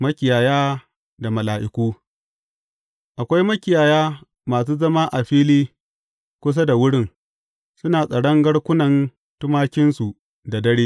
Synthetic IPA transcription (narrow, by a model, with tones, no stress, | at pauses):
mɐ˦kʲɪ˨jaː˨jaː˦ | da˨mɐ˨laː˨ʔɪ˨kʷuː˦ | ʔa˨kʷa˦jmɐ˦kʲɪ˨jaː˨jaː˦ | maː˨s̬uː˦zɐ˦ma˦ʔa˨ɸiː˦liː˦ | kʷʊ˦s̬a˦da˨wʊ˦ɽɪ˦ŋ | sʊ˦naː˨sʼɐ˨ɽɐ˦ŋɡɐ˦ɽkʷʊ˦nɐ˨n | tʊ˦maː˦kʲɪ˦nsu˨ | da˨dɐ˦ɽeː˦